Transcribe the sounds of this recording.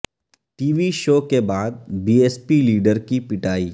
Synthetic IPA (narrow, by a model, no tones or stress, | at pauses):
ʈiːʋiʃoːkebaːd̪̚biːeːspiliːɖəɾkipɪʈaːiː